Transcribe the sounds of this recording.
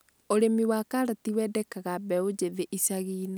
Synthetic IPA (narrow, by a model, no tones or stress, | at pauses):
oɾemiwakaɾatiwɛdɛkaɣabɛod͡ʑeðeʔisaɣiːna